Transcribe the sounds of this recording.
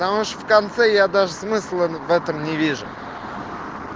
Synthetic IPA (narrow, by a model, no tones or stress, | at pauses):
t̪amuʂəfkant̪sɛjad̪aʐəsmɨslˠəvɛt̪əmnʲɪvʲiʐʊ